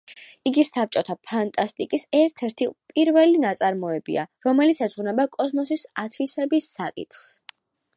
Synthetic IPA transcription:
iɡisap̚t͡ʃʼɔt̪ʰapʰant̪ʼast̪ʼikʼisɛɾt̪ʰɛɾt̪ʰipʼiɾvɛlinat̪sʼaɾmɔɛbḭa̰ɾɔmɛlit̪sʰɛsʼʁunɛbakʼɔsmɔs̬isat̪ʰvisɛbisːakʼḭt̪ʰχs

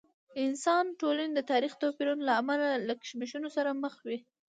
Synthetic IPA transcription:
ɪnsɑnʈolaned̪ət̪ɑɾixt̪ɑpiɾunlaːmalaləkə̥ʃmiʃunosaɾaməxwi

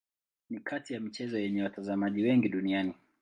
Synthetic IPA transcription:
nikʰatijamit͡ʃɛzɔjɛɲɛwatazamaʄiwɛŋɡiɗuniani

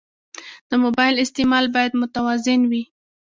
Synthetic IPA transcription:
d̪̥əmobɑjɪlɪst̪emɑlbɑjad̪mʊt̪awɑzɪnwi

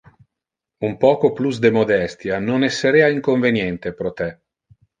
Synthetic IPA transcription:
umpɔːkoplusd̪emod̪ɛst̪janonesːeɾeːaiŋkoɱvenjɛnt̪epɾot̪ɛ

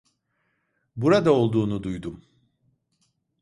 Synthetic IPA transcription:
buɾad̪ao̞lˠd̪uːnud̪ujd̪um

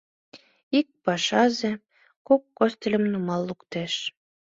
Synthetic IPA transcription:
ik̚pɑʃɑze | kokːost̪elʲə̆mnumɑlːukt̪eʃ

